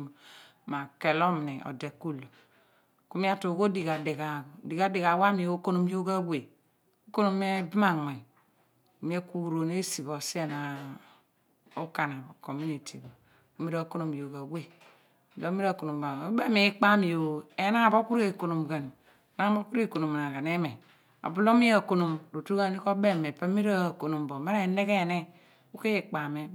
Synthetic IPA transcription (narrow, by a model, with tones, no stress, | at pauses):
ma˨ke˨lo˦m˨ne˨o̰˨de˨kːu˦lo˨ | ku˦mi˦a˦to˨ɡo˦di˨ɡa˨de˨ɡa˨di˨ɡa˦di˨ɡa˨wa˦mi˨o˨˦o˦ko˦no˨m˦jo˦ɡa˦wʷe˨ | o˦ko˦no˦m˦e˦bi˦ma˦ŋe˨ | ku˨mi˦e˦ku˦u˨ɾo˨ne˦si˨βo˨se˦˨na˨ | o˦ka˨na˨bo˨ko˨mu˦ni˨tʰi˨bo˨ | u˦mi˦ɾa˦˨ko˦no˨m˨o˨ba˨we˦˨ | lo˦mi˦ɾa˦˨ko˨no˨m˨a˨o˦be˦mi˦k͡pa˦mi˨jo˨e˨˦na˦˨bo˦ku˦ɾe˨ko˨no˨mɡa˨n˨ | na˦bo˦ku˦ɾe˦˨ko˨no˨m˨na˨ɡa˨ne˦me˨ | a̰˨bu˦lo˦mi˦a˦˨ko˨no˨mɾo˨tu˦ɡa˦ni˦ko˦be˦˨me˨pa˦mi˦ɾo˦˨ko˨no˨mbo˨ma˦ɾa˦˨ne˦ke˦˨ne˦ | u˦ke˦i˨k͡pa˨me˦